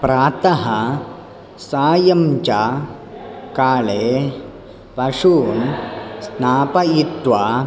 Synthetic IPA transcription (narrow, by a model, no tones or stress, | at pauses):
pɾaːt̪ɐɦɐ | saːjɐmt͡ʃaː | kaːɭeː | pɐʂuːnsnaːpɐit̪ʋaː